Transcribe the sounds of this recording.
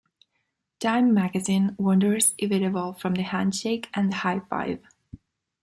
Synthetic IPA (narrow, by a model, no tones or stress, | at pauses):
tʰãɪ̃mːæɡɨzĩnwʌ̃ndə˞zɪvɪɾɨbəl̩ˠfɹʌ̃mðɨhæ̃ndʃeɪkʰʔɨ̃nəhaɪfa̰ɪv̥